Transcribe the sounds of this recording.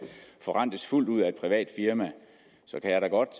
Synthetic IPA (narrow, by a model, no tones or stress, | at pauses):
fɒ̽ʁɑ̈n̰d̥əsful̰duð̞̰ˠæe̝d̥pʰʁiʋɛ̰ːd̥fiɐmæ | sɒ̽kʰæjɑɾɑɡ̥ɒ̽d̥